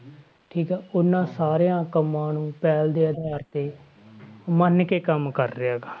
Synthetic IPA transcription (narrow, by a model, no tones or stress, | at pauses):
ʈʰiːkɦɛːʊnːãːsaːɾejãːkəmːãːnũːpɛːld̪eːəd̪aːɾt̪eː | mənkeːkəmkəɾːɪjaːɡaː